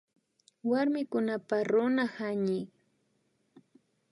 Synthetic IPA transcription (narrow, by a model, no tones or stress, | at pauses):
waɾmɪkʊnapaɾʊnahaɲɪ